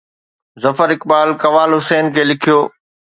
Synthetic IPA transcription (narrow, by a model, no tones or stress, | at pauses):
zɐfəɾɪkbaːlkɐʋaːlɦʊseːnkʰeːlɪkʰijoː